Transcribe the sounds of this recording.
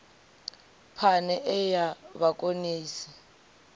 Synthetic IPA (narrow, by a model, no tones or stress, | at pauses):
pʰanɛʔɛjaβakʼoniːsi̥